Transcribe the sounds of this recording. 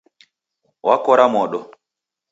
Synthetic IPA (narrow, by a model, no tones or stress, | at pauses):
wakɔɾamɔɗɔ